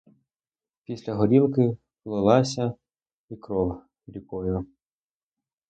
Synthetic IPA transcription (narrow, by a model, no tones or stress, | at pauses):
pʲisʲlʲɐɦɔɾʲilˠkɪ | lˠɔlˠɑsʲɐ | ikɾɔw | lʲikɔjʊ